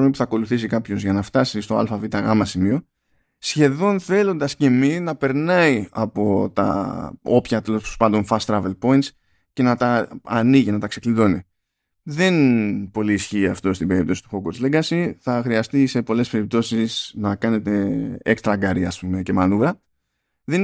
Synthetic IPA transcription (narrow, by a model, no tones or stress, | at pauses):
omipu̥θɐko̞luθis̬ikɐpço̞zʝɐnɐft̪ɐsist̪o̞ɐ̰lfɐvit̪ɐɣɐmɐsimio̞ | sçe̞ðo̞nθe̞lo̞nd̪ɐsce̞minɐpe̞ɾnɐiɐpo̞t̪ɐ̰o̞pçɐt̪e̞lo̞sospɐnd̪o̞nfɐst̪ɾɐve̞lpo̞int̪s | ce̞nɐt̪ɐːniʝinɐt̪ɐkse̞kliðo̞ni | ðe̞npo̞liːsçiːɐft̪o̞st̪ibe̞ɾipt̪o̞si̥t̪uxoɡoɾzleɡɐsiθɐxɾiɐst̪ise̞po̞le̞spe̞ɾip̚t̪o̞sisnɐkɐne̞t̪e̞ekst̪ɾɐɡɐɾiɐ̰spume̞ce̞mɐnuvɾɐ | ðen